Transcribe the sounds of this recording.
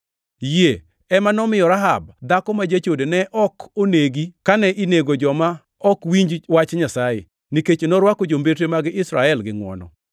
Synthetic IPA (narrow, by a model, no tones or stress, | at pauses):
je | ɛmanɔmɪjɔɾaɦa̰b̚d̪akɔmad͡ʒat͡ʃodenɛʔɔkʰoneɡikanɛʔineɡod͡ʒɔma | ɔkwiɲd͡ʒwat͡ʃɲasajḛ | niket͡ʃenɔɾwakod͡ʒombetemaɡɪɪsɾaɛlɡɪŋwɔ̰nɔ̰